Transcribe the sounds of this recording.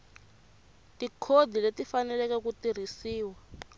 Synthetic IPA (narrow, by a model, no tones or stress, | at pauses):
tikʰodʱiletifanɛlɛkɛkutir̤isiːwa